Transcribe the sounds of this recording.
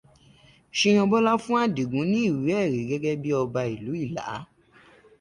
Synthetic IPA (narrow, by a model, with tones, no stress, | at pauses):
ʃĩ˧j̃ɔ̃˧bɔ˦la˦fũ˦a˦˨di˨ɡũ˨˦nĩ˦i˦˨wi˨˦ɛ˦˨ɾi˨˦ɡɛ˦ɡɛ˦bi˦ɔ˧ba˧i˨lu˨˦i˦˨la̰˨˦